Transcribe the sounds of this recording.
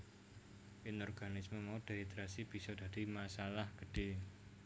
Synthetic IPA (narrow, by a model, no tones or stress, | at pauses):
ɪnɔrɡanɪsməmaud̥eit̪ɾasib̥isɔda̤dimasalahɡ̥əɖ̥e